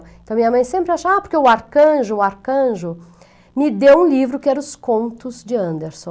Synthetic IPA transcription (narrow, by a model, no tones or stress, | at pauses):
eẽt̪ɐ̃w̃mĩɲɐmɐ̃j̃sẽmpɾɪaʃɐaːpoɾkeʊaɾkɐ̃ʒʊːaɾkɐ̃ʒʊ | mɪd̪ewũlivɾʊkɪɛɾɐʊskõnt̪ʊzd͡ʒɪɐ̃nd̪eɾsõ